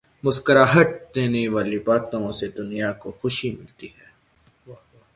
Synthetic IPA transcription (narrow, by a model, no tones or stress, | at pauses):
mʊskəɾaɦɐʈ̚d̪eːneʋaːlibaːt̪õsed̪ʊnijakoxʊʃimɪlt̪iɦɛː